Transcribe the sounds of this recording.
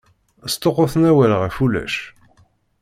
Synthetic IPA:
st̪oqʊθnæwælʁæfulæ̰ʃ

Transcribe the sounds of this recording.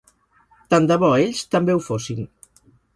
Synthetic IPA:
t̪and̪əβ̞ɔeʎst̪əmbewfosin

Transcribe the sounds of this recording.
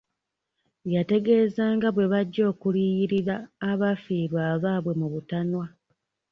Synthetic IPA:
jate̞ɡe̞ːzaːŋɡaβwe̞βaɟːo̞ːkuliːjiɾiɾaːβafiːɾwaːβaːβwe̞muβutanwa

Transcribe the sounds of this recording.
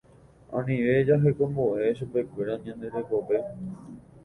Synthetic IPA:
ã̰nĩʋe̞d͡ʒaɦe̞kõ̞mboʔe̞ʃupe̞kʷe̞ɾaɲãnd̪e̞ɾekoʋe̞

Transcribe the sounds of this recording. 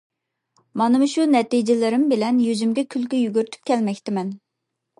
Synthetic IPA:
mɑnɨmʊʃunɛt̪id͡ʒɪlɪɾɪmbɪlɛnjyzymɡʲɛkʲʰylkʲyjyɡʲyɾt̪ʰy̥p̚kʲɛlmɛkʲt̪ɪmɛn

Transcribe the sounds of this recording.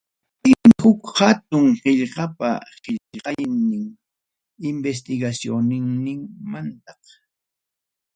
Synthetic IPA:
pɪmɪhʊkhat̪ʊŋɢɪʎɢɑpa̰ɢɪʎqɑjnɪŋ | ɪmbes̬t̪ɪɡasjonɪŋnɪŋmant̪ɑq

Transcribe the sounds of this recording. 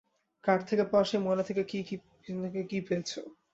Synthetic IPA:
kaʈt̪ʰekepɔʃemonet̪ʰekekiki | ekekifet͡ɕʰo

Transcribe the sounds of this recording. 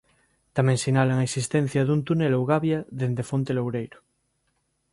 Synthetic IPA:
t̪amẽŋsinalaŋaesist̪ẽn̟θjaðunt̪unelowɣaβjaðend̪efont̪elowɾejɾo̥

